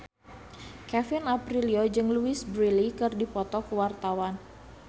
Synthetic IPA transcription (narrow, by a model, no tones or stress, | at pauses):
kɛfɪnapɾiliod͡ʒɨŋluɪsbɾilikɨrdipɔt̪ɔkəwart̪awan